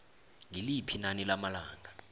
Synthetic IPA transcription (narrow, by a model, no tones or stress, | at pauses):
ŋilipʰinanilamalaːŋa